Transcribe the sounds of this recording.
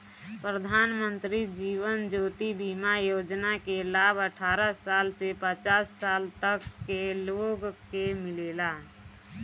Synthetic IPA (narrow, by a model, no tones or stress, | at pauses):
pɾəd̪ʱaːnmə̃nt̪ɾid͡ʒiːʋənd͡ʒoːt̪ibimajoːd͡ʒnakelaːbəʈʰaːɾəsaːlsepət͡ʃaːsːaːlt̪əkːeloːɡkemɪleːla